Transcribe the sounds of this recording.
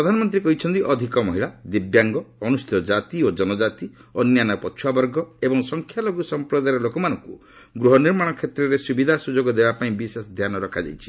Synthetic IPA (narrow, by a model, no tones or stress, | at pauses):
pɾɔd̪ʱanɔmɔnt̪ɾikɔɦit͡ʃʰɔnt̪iʔɔd̪ʱikɔmɔɦilad̪ibjaŋɡɔːnust̪ʰɔd͡ʒat̪iod͡ʒɔnɔd͡ʒat̪i | ɔnjanɔpɔt͡ʃʰuwabɔɾɡɔebɔŋsɔŋkʰjaloɡusɔmpɾɔd̪ajɾɔlokɔmanɔŋku | ɡɾuɦɔniɾmaɽ̃ɔkʰet̪ɾɔɾesubid̪ʱasud͡ʒoɡɔd̪ebapaĩbisesɔd̪ʱjanɔɾɔkʰad͡ʒa̰jt͡ʃʰi̥